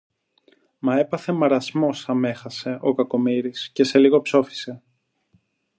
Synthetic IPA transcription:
mɐe̞pɐθe̞mɐɾɐzmo̞sɐme̞xɐse̞ʔo̞kɐko̞miɾisce̞se̞liɣo̞pso̞fi̥se̞

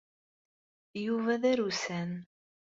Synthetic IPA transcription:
juvæðæɾusæn

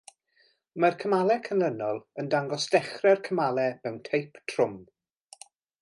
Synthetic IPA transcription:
markʰəmalˠɛkʰənlˠənɔlˠəndaŋɡɔsd̥ɛχrɛrkʰəmalˠɛbɛwntʰejpʰtʰrʊm

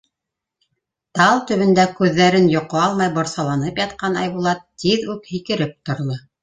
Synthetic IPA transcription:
t̪ɑlˠt̪ɵ̆βɵ̆nd̪ækʉðːæɾɘnjŏqɤɑlˠmɑjbŏɾsɑlˠɑnɤpjɑt̪qɑnɑjβulˠɑt̪ːiðʉkhikɘ̆ɾɘp̚t̪ŏɾlˠɤ

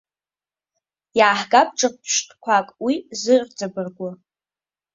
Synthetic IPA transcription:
jaːħɡʼapʰʈ͡ʂʼɨq̚ʷʰpʰʃtʰʼkʷʰakʼwizɨrʷd͡zʼabɨrɡʷʊ

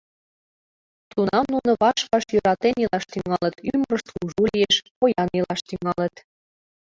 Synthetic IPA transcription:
t̪unɑmnunŏβɑʃkɑʃjøɾɑt̪enilɑʃt̪yŋɑlə̆t̪yməɾəʃt̪uʒulieʃpojɑnilɑʃt̪yŋɑlə̆t̪

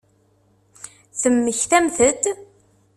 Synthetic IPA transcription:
θəmːəçθæmθəd̪

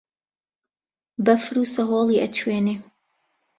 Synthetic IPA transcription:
bɐfɾuːsɐɦoːlˠiːʔɐt̪ʰweːneː

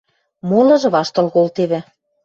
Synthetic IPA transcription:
molɤ̆ʒɤ̆βɑʃt̪ɤ̆lkolt̪eβɘ̆

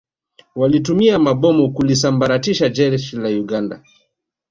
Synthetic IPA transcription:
walit̬umiamaɓɔmɔkulis̬ambaɾatiʃad͡ʒɛɾʃilajuɡanda̰

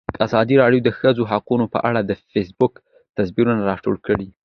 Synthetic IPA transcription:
d̪̥əazɑd̪iɾɑɽjod̪əxəzoɦaqunopə̰ʔa̰ɽad̪əfes̬bʊk | t̪asbiɾunaɾɑʈo̰ɽkəɽi

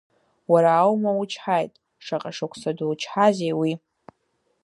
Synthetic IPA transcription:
waɾaːwmawut͡ʃʰħajtʼ | ʂaqʼaʂakʷʰsaduwt͡ʃʰħazejwi

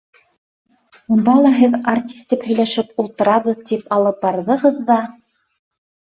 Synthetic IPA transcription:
und̪ɑlˠɑɦɘðart̪ʲi̥st̪iphɵ̆jlæʃɘpulˠt̪ɤ̆ɾɑβɤðt̪ipɑlˠɤp̚bɑɾðɤ̆ʁɤðːɑ

